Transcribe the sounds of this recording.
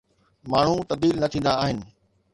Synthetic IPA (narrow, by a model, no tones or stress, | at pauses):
maːɳ̤ũt̪ɐb̚d̪iːlnɐt̪ʰĩːnd̪aːɦɪnɪ̆